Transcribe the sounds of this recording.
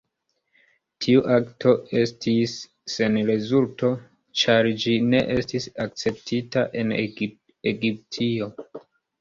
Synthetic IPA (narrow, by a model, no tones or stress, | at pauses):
tʰiuʔaktʰo̞e̞stʰisː | e̞nɾe̞zulto̞ | t͡ʃaɾd͡ʒine̞ʔe̞stisak̚t͡se̞p̚tʰitaʔe̞n | eɡip̚tʰio̞